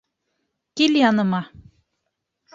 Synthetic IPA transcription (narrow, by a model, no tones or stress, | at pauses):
kilʲjɑnɤ̆mɑ